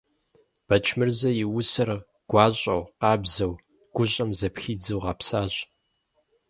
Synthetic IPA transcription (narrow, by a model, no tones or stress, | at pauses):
b̥ɐt͡ʃʰmɨrzɐjɪwʊsɐr | ɡ̥ʷɑːɕʼɐ̰wqɑːbzɐw | ɡ̥ʷʊɕʼɐmzɐpxiːd͡zɨwʁɑpsaːɕʼ